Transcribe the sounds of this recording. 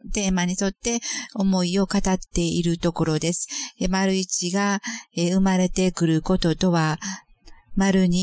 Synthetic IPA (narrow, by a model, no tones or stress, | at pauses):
t̪e̞ːmaɲ̟iso̞t̪ːe̞o̞mo̞io̞kat̪at̪ːe̞iɾɯ̟t̪o̞ko̞ɾo̞d̪e̞sɨ̥maɾɯ̟it͡ɕiɡaeɯ̟maɾe̞t̪e̞kɯ̟ɾɯ̟ko̞t̪o̞t̪o̞βa | maɾɯ̟ɲ̟i